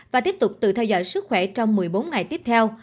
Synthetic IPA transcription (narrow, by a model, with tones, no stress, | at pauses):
vaː˨˩t̪i˦˥əp̚t̪ʊ˨˩k͡p̚t̪ɨ̰˧˨t̪ʰɛ˧wzɔ̰ː˧˨jsɨ˦˥k̚xwɛ˧˩t͡ɕɔ˧wŋ͡mmɨ˨˩əjɓo˨˦nŋa˨˩jt̪i˦˥əp̚t̪ʰɛ˧w